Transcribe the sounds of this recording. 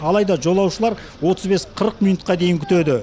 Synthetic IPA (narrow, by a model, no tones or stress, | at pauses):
ɑlˠɑjd̪ɑʒo̞lˠɑwʃəlˠɑɾ | wo̞t̪əzbe̞sqʰəɾəqmijnut̪̚qɑd̪e̞jɪŋkʲʰʏ̥t̪e̞d̪ɪ